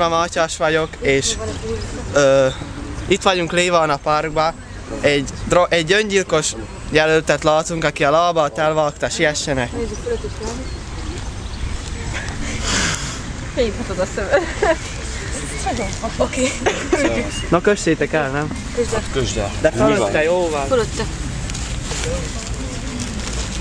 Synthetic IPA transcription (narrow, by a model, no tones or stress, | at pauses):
ɒmɒcɒʃʋɒɟo̞keːʃ | øː | it̪ʋɒɟuŋkleːvɒːnɒpɒrɡ̚bɒ | ɛɟd̪roʔɛɟːøɲɟilko̞ʃ | jɛlølt̪ɛt̪lɒːt̪uŋkɒkiɒlɒbɒlt̪ɛlvɒlkt̪ɒʃiɛʃːɛnɛk | ejit̪ʰɒt̪ozɒsømɛ | ookeː | nokøʃːeːt̪ɛkɛlnɛm | køzkd̪ɛføløt̪ːɛjoːvɒlføløt̪ːɛ